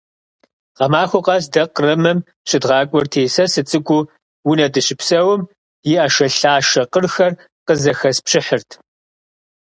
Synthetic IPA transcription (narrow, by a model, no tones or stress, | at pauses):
qɐmaːxʷʊqɑs̬dɐqrɐmɨm | ɕʼɪdʁɑːkʷʼʊrtʰeːsɐsɨt͡sʼɨɡʷʊ | wʊnɐdɨɕɪpsɐwʊm | jɪaʃɐɬaːʃɐqərxɐr | qəzɐxɐspɕɪħɨrtʰ